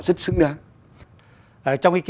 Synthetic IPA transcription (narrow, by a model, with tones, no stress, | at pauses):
zə˦˥t̚sɨ̰˧˥ŋɗaː˧ŋ | ʔəː˧˩t͡ɕɔ˧wŋ͡mʔi˧ki˧